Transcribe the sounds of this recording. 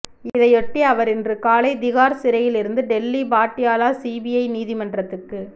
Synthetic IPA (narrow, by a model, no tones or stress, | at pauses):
ɪðɐɪɔʈːiɐʋɐɾɪndrɯkaːlɐɪd̪ɪɣaːɾsɪɾɐjɪlɪɾɯnd̪ɯɖɛlːibaːʈːɪjaːlaːsiːbijɐɪniːðimɐndrɐt̪ːɯkːɯ